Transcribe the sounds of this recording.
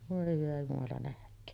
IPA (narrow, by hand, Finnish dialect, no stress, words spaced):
ʋoˑe hyʋæ jumɑlɑ næhkˑøːn